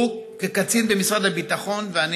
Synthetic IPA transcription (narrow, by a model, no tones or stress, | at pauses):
ukekat͡sinbemisʁad̪habit̪aχo̞nvean